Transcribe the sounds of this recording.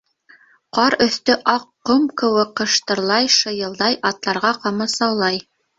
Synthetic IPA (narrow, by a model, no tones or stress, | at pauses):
qɑɾɵ̆θt̪ɵʔɑqːomkɘ̆wɘkːɤ̆ʃt̪ɤ̆ɾlˠɑjʃɤ̆jɤ̆lˠd̪ɑjʔɑt̪lˠɑɾʁɑqɑmɑsɑwlˠɑj